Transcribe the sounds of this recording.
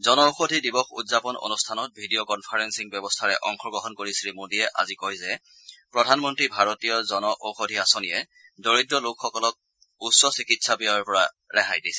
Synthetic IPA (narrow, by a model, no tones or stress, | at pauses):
zɔnɔoxodʱidibɔxṵdzapɔno̰nustʰanɔt̚bʱidijɔkɔnpʰaɹɛnsiŋbjɔbɔstʰaɹɛ̰ʔɔŋxʰɔɡɹɔɦɔnkoɹisɹimodiɛʔa̰zikɔjzɛ | pɹɔdʱanmɔntɹibʱaɹotijɔzɔnɔʔoxodʱiasonijɛ | doɹitːɹɔlokxɔkɔlɔk̚ | usːɔsikitsabijaɔɹpɔɹa | ɹɛɦajdisɛ̥